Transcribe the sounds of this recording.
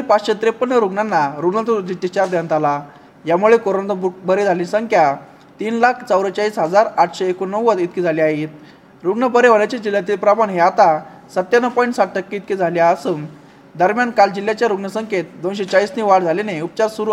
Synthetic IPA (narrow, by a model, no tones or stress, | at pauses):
ipat͡ɕɕet̪ɾepːənːəɾuɡɳanːaɾuɡɳat̪ud̪it̪it͡ɕaɾd̪eə̃nt̪ala | jamuɭekoɾont̪bubəɾed͡zʱalĩsəŋkʰja | t̪iːnlakʰt͡səwɾət͡ɕaiːsɦəd͡zaɾaʈʰɕeːkonəʋːət̪it̪̚kiːd͡zʱaliaɦit̪ | ɾuɡɳəbəɾeʋəɽat͡ɕad͡ʑiljat̪̬iːlpɾamaɳɦeat̪a | sət̪janəpɔiɳʈsaʈ̚ʈəkːiːt̪̚kiːd͡zʱaljaəsum | d̪əɾmjankald͡ʑilːjat͡ɕjaɾuɡɳəsəŋket̪̚d̪onɕet͡ɕaiːsniːʋaɽd͡zʱaleneupt͡ɕaɾsuɾu